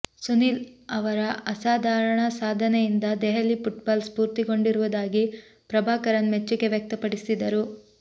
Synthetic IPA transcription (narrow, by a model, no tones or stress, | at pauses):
sunilɐʋɐɾɐɐsaːd̪ʱaːɾɐɳɐsaːd̪ʱɐnejind̪ɐd̪ɛɦɐlːipuʈbaːlspuːɾt̪iɡo̞ɳɖiɾuʋud̪aːɡi | pɾɐbʱaːkɐɾɐnmet͡ʃːuɡe̞ʋjɐk̚t̪ɐpɐɽisid̪ɐɾu